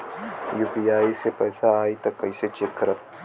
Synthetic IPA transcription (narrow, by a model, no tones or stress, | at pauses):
juːpiaːisepɛːsaaːit̪ɐkːɐiset͡ʃekːɐɾət̪